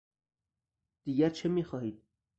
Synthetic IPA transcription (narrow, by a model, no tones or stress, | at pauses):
d̪̥iɡæɾt͡ʃʰemixɑhiːd̪̚